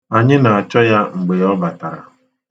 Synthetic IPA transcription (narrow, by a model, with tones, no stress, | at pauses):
a˨ɲɪ˦na˨a˨t͡ʃɔ˦ja˦ŋ͡m̩˨ɡ͡be˨ɔ˦ba˨ta˨ɾa̰˨